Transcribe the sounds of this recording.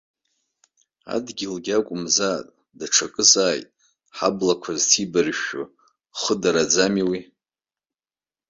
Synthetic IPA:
a̰dɡʲilɡʲakʷʼʊmzaːtʼ | daʈ͡ʂʰakʼɨsaːjtʼ | ħablakʷʰaztʰibɨrʃʊ̰ | χədaɾad͡zamiwi

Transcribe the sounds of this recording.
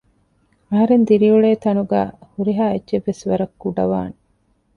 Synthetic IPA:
ɐɦɐɾend̪iɾiuɭeːt̪ɐnuɡæ̰ːhuɾiɦaːeːʒeʋːesʋɐɾɐkːuɖɐʋaːne

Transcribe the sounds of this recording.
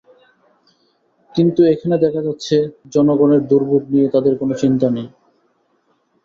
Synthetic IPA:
kint̪uekʰaned̪ɛkʰad͡ʑatːɕʰed͡ʑɔnoɡoneɾd̪uɾbʱuɡ̚niet̪ad̪eɾkonot͡ɕint̪anej

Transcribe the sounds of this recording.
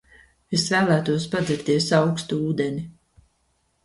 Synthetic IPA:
esvæːlˠæːt̪uɔspad̪zɛɾt̪iɛsawkst̪uuːd̪enʲi

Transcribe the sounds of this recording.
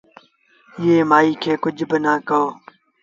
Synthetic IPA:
jeːmaːiːkʰeːkʊd͡ʒʱbɪnaːkəoː

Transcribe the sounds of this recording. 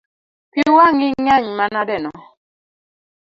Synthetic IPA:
piwaŋɪɲaɲmanadɛnɔ

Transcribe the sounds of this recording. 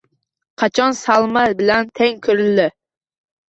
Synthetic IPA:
qʰɑt͡ʃʰɑnsɑlˠmɛbɪlɛnt̪ʰɛŋkʲʰøɾɪlːɪ

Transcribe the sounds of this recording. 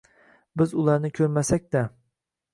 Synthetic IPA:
bɪzʊlˠaɾnɪkʲʰɵɾmasɛk̚ʲd̪a

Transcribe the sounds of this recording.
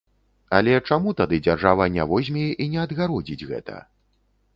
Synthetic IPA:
a̰lʲɛt͡ʂamut̪ad̪ɨd͡zʲarʐavɐnʲa̰vɔzʲmʲɛjɛʔinʲɛɐd̪ɣaɾɔd͡zʲid͡zʲɣɛ̰t̪ɐ̰

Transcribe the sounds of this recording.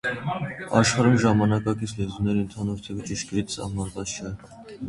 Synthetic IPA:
ɑʃχɑɾumʒɑmɑnɑkɑkit͡sʰlɛzumnɛɾiənt̪ʰɑnuɾt̪ʰɛvət͡ʃiʃkəɾit͡sʰsɑ̰mɑɾvɑt͡st͡ʃʰɛ

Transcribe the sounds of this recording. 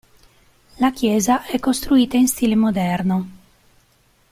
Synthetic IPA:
lakjɛːzaʔɛkːost̪ɾuiːt̪ainst̪iːlemod̪ɛrno

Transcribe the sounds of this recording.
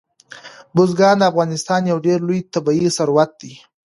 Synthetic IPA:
bʊzɡɑnd̪əafɣɑnɪst̪ɑnjawɖeɾlojt̪abɑisaɾwat̪̚d̪i

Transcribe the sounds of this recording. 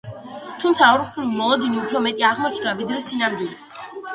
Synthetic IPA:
t̪ʰumt̪sʰaɔɾmχɾivmɔlˠɔd̪iniupʰɾɔmɛt̪ʼiaʁmɔt͡ʃʰnd̪avid̪ɾɛsinamd̪wilˠi

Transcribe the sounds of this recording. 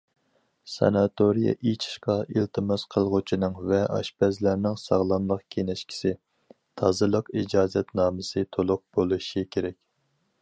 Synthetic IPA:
sɑ̰nɑt̪ʰoɾijɑ̰ʔit͡ʃʰi̥ʃqɑilt̪ʰɨmɨz̥qʰəlˠʁʊt͡ʃʰinɨŋvɛʔɑ̰ʃpɛzlæɾnɪŋsɑ̰ʁlˠɑnlˠəqkʲʰenɛʃkʲʰi̥sɪ | t̪ʰɑzɨlˠəqid͡ʒɑːzɛt̪nɑːmɨsɨt̪ʰolˠʊq̚b̥olˠuʃikʲʰeɾɛkʲ

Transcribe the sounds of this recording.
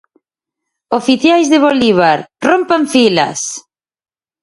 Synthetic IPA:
ofiθjajzðɪβoliβ̞aɾrompaɱfilɐ̰s

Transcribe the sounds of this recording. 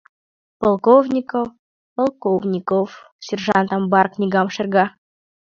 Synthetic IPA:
polˠkovnʲikof | polˠkovnʲikof | sʲerʒɑnt̪ɑmbɑrknʲiɡɑmʃerɡɑ

